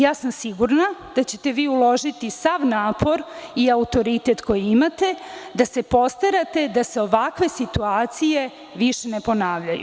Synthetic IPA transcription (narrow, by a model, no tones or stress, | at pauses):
jaːsamsiɡuɾnad̪̥at͡ɕe̞t̪e̞ʋiːulo̞ʒit̪isaʋnaːpʰo̞ɾiaut̪o̞ɾit̪e̞t̪ko̞jiimat̪e̞d̪ase̞po̞st̪aɾat̪e̞d̪aseo̞ʋakʋe̞sit̪uaːt̪sije̞ | ʋiʃenepo̞naːʋʎajṵ